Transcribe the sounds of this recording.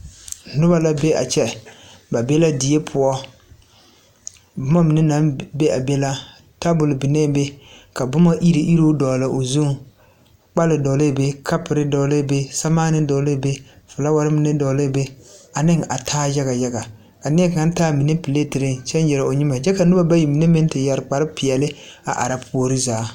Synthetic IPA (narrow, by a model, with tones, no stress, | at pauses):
nʊ˦ba˦la˦be˦a̰˨t͡ʃɛ˦ba˨bɛ˦la˦dɪ˨je˦pʰʊ˦ɔ˦ | bʊ˦ma˦mi˨nɪ˦na˨˦be˦a˨bɛ˦la˦ | ta˦bʊ˨lɪ˨bɪ˨nɛ˦˨be˦ka˨bʊ˦ma˦ʔi˦ɾe˨ʔi˦ɾo˦dɔ˨lɪ˨ʔo˨zu˦ŋ | k͡pa˦lɪ˨dɔ˨le˦˨be˦kʰa˦pɪ˨ɾɪ˦dɔ˨le˦˨be˦sa˦maː˦nɪ˦dɔ˨le˦˨be˦ | fʊ˨la˦wa˦ɾɪ˦mɪ˦nɪ˦dɔ˨le˦˨be˦a˨nɪ˦ŋa̰˨tʰaː˦ja˦ɡa˨ja˦ɡa˨ | ka˨nɪ˦ɛ˦kŋa˦n˦taː˦mi˨ne˦pi˨le˦˨tɪ˨ɾɪ˦t͡ʃɛ˦njɛ˨ɾa˨o˨ɲɪ˦ma˨d͡ʒɛ˦ka˨nʊ˦ba˦ba˦ji˨mi˨ne˦mɪ˦n˦tɪ˨ja˨ɾɪ˨k͡pa˨ɾɪ˦pɪ˨ɛ˨lɪ˦a̰˨ʔa̰˨ɾa˨pʰo˦ɾɪ˦zaː˨˦